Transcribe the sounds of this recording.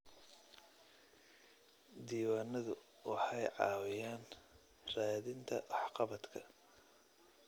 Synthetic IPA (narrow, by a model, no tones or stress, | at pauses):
d̪iːwaːnɐðʊ | wʔɑħɑjʕɑːwɪjaːn | raːðɪnt̪ʰɐʔɑħqɑβɐd̪kʰɐ